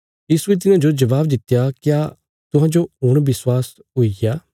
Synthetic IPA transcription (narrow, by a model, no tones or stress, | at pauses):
jiːsʊet̪̬ɪnãːd͡ʒod͡ʒɐβaːbd̪ɪt̪ːjaːkjaː | t̪ʊɦãːd͡ʒoʊɽ̃bɪswaːs | ɦʊijaː